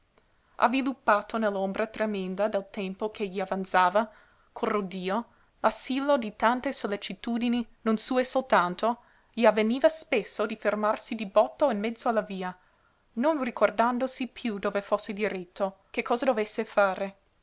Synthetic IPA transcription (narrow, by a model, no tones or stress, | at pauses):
ʔa̰vːilupːaːt̪ʰonɛlːombɾat̪ɾemɛnd̪ad̪elt̪ɛmpokʰeʎiavant̪saːva | kʰolrod̪iːo | lasilːod̪it̪ant̪esolːet͡ʃit̪uːd̪ininonsuːesolt̪ant̪o | ʎiavːeniːvaspesːod̪ifermarsid̪ibɔt̪ːoinmɛd̪zːoalːaviːa | nonrikʰord̪and̪osipʰjud̪oːvefosːed̪iɾɛt̪ʰːokekʰːɔːzad̪ovesːefaːɾe